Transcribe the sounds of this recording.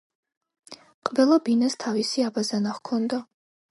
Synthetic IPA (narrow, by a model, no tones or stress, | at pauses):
qʼvɛlˠabinast̪ʰavisiabazanaχkʰɔnd̪a